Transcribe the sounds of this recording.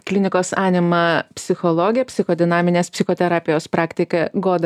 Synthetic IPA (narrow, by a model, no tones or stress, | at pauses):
klʲɪnʲɪkoːsɑːnʲɪmɐpʲsʲɪxolˠoːɡʲɪjɛpʲsʲɪxoːd̪ʲɪnɑːmʲɪnʲeːspʲsʲɪxoːt̪ʲɛɾɑːpʲɪjoːspɾɑːkt̪ʲɪkɐɡoːd̪